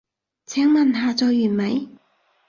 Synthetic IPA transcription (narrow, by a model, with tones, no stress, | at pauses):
t͡sʰɛː˨˥ŋmɐ˨nɦaː˨˧t͡sɔː˧jːyː˨˩nmɐ˨˥j